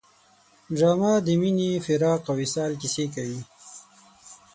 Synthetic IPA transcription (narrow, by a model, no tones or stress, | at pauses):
ʒamɑd̪əminifɪɾɑːqawisɑːlkisek̬awi